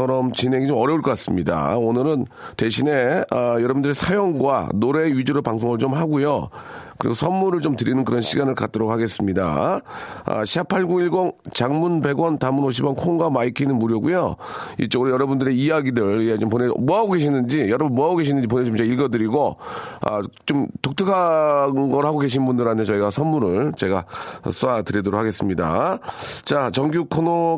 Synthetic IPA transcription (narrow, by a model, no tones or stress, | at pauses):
ʌɾʌmt͡ɕinɦe̞ŋit͡ɕomʌɾjʌuɭk͈ʌk͈as͈ɯmɲida̰onɯɾɯn | te̞ɕʰine̞ʌjʌɾʌbundɯɾe̞sʰajoŋɡwa̰noɾe̞ɥid͡ʑoɾɯɭpaŋsʰoŋɯɭt͡ɕomhaɡujo | kɯɾḭɡosʰʌnmːuɾɯɭt͡ɕomtɯɾinɯnkɯɾʌnɕʰiɡanɯɭkat̚t͈ɯɾokhaɡe̞s͈ɯmɲida̰ | ʌ̰ɕʰiapʰaɭɡuɡiɭɡoŋt͡ɕaŋmunbe̞ɡwʌntamunoɕ̬ʰibʌnkʰoŋɡamaikʰinɯnmuɾjʌɡujo | ḭt͡ɕ͈oɡɯɾojʌɾʌbundɯɾe̞ijaɡidɯɭet͡ɕomponḛmɦaɡoɡe̞ɕʰinɯnd͡ʑijʌɾʌbunmuʌɦaɡoɡeɕʰinɯnd͡ʑip̬onet͡ɕomt͡ɕeiɭɡʌdɯɾiɡoʌ̰t͡ɕomtok̚tʰɯkʰanɡʌɾhaɡoɡe̞ɕ̬ʰinnbundɯɾantʰe̞t͡ɕʌiɡasʰʌnmuɾɯɭt͡ɕe̞ɡaʌ̰s͈ʰoatɯɾidoɾok̚ʰhʰaɡes͈ɯmɲida̰ | t͡ɕat͡ɕʌŋɡjukʰono